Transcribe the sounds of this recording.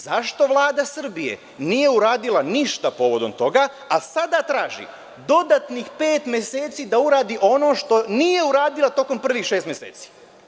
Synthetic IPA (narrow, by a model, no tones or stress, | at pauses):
zaʃt̪o̞ʋlˠaːd̪asr̩bije̞̰ | niːje̞uɾaːd̪ilaniʃt̪apo̞ʋo̞d̪o̞mt̪o̞ɡaː | sad̪at̪ɾaːʒḭ | d̪o̞d̪at̪nixpe̞ːt̪mʲjese̞ːt̪sid̪auɾaːd̪iʔo̞no̞ʃt̪o̞nije̞uɾaːd̪ilˠat̪o̞ko̞mpr̩ʋixʃest̪mjesḛːt̪si̥